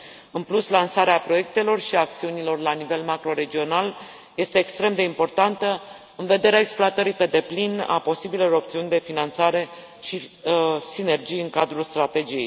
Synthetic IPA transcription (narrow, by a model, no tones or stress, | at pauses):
ɨnpluslansaɾeapɾo̞je̞k̚t̪e̞lo̞rʃiak̚t̪siunilo̞rlanive̞lmakɾo̞ɾe̞d͡ʒio̞nal | je̞st̪e̞ːkst̪ɾe̞md̪e̞impo̞rt̪ant̪ə | ɨnve̞d̪e̞ɾeaeksploat̪əɾipe̞d̪e̞plina̰po̞sibileloɾo̞ptsiunʲd̪e̞finant̪saɾe̞ | ʃisine̞rd͡ʒijɨŋkad̪ɾulst̪ɾat̪e̞d͡ʒije̞j